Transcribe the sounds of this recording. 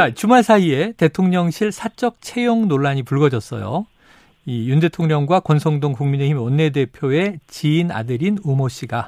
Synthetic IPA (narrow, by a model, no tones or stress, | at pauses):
t͡ɕat͡ɕumaɭsʰaie̞te̞tʰoŋɲʌŋɕʰiɭsʰat͡ɕ͈ʌk̚t͡ɕʰe̞joŋnoɭːaɲipuɭɡʌd͡ʑʌs͈ʌ̰jo̰ | ijunde̞tʰoŋɲʌŋɡwakwʌnsʰʌŋdoŋkuŋmine̞himwʌnːe̞de̞pʰjoe̞t͡ɕiːna̰dɯɾinumoɕ͈ʰiɡa